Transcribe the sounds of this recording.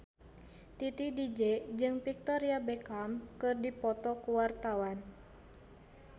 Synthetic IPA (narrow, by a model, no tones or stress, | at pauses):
t̪it̪idid͡ʒɛd͡ʒɨŋfik̚t̪ɔɾiabɛkamkɨrdipɔt̪ɔkuwart̪awan